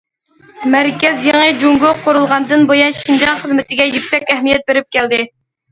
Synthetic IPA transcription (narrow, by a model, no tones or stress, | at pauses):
mæɾkʲɛzjeŋɨd͡ʒuŋɡʊqʰoɾulˠʁɑnd̪ɨnbojɑnʃind͡ʒɑnχəzmɪt̪ʰɪɡʲɛjykʲsɛkʲæhmijɛt̪̚beɾɪp̚kʲʰæld̪ɪ